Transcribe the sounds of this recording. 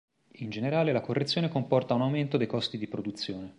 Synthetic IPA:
ind͡ʒeneɾaːlelakorːet̪sːjoːnekompɔrt̪aunawment̪od̪ejkɔst̪id̪ipɾod̪ut̪sːjoːne

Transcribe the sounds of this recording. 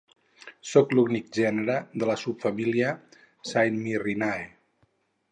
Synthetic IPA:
soklunik̚ʒɛnəɾəðələsupfamiliə | sajnmirinae

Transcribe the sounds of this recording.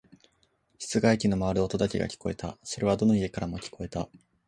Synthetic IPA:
çi̥t͡sɨɡaikʲino̞maβaɾɯo̞t̪od̪akʲiɡa̰kʲi̥ko̞e̞̰t̪a̰so̞ɾe̞β̞ad̪o̞no̞ie̞kaɾamo̞kʲi̥ko̞e̞t̪a

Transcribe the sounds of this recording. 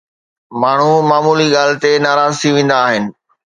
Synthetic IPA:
maːɳ̤umaːmuːliɠaːlɪ̆t̪enaːɾaːzt̪ʰiʋẽːn̆d̪aːɦɪnɪ̆

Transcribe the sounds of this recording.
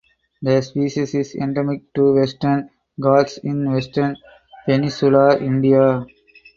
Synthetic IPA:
d̪əspiːʃisɪsḛ̃ɳɖemɪk̚ʈuʋesʈəɾn | ɡaːsɪ̃nʋesʈəɾn | penĩsjulaʔɪ̃ɳɖia

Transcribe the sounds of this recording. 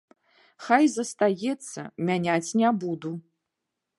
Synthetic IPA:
xajzɐst̪ajɛt̪sːɐ̰mʲanʲat͡sʲnʲɛbud̪u

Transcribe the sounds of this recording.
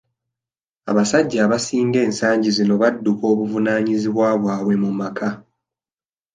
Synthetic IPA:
a̰βasaɟːaːβasiːŋɡe̞ːnsaːɲɟizino̞βadːuko̞ːβuvunaːɲiziβwaβwaːβwe̞mumakʰa

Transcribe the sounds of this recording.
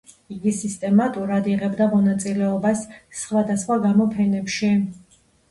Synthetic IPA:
iɡisist̪ʼɛmat̪ʼuɾad̪iʁɛbd̪amɔnat̪sʼilɛɔbasːχwad̪asχwaɡamɔpʰɛnɛpʃi

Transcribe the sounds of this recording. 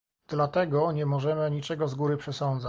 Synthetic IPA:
d̪̥lat̪ɛɡɔɲɛmɔʐɛmɘɲit͡ʂɛɡɔzɡuɾɘpʂɛsɔnd̪za

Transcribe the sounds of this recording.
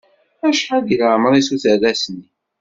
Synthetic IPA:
æʃħaðilaʕməɾˤisuθərːæsni

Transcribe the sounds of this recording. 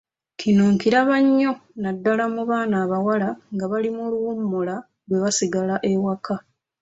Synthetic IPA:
kʰinuːŋkiɾaβaɲːo̞nadːalamuβaːnaːβawalaŋɡaβalimuluwumːula | lwe̞βasiɡalaʔe̞waka

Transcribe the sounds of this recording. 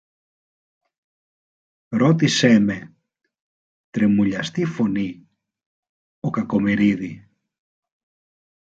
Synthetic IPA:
ɾot̪iseme | t̪ɾemuʎɐst̪ifoni | okakomiɾiði

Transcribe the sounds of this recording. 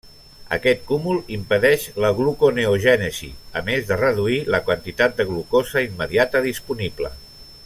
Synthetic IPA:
ə̰kɛt̪̚kumulˠimpəðɛʃləɣlukoneoʒɛnəzḭə̰mezðərəðuiləkwənt̪it̪at̪̚d̪əɣlukozəimːəðiat̪əðispuniblə̰

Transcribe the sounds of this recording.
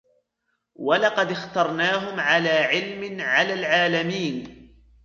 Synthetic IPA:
walɑqɑd̪ɪxt̪ɑɾˤnaːɦʊmʕalaːʕɪlmɪnʕalaːlʕaːlamiːn

